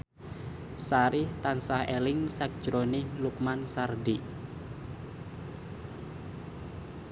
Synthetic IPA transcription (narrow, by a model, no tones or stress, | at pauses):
saɾɪht̪ansahelɪŋsak̚d̥ʒ̥ɾonɪhluk̚mansardi